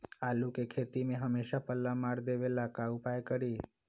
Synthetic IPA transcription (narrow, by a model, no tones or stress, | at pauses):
alũkekʰet̪imẽɦəmeʃapəlːamaɽd̪eʋelakaupajkəɽi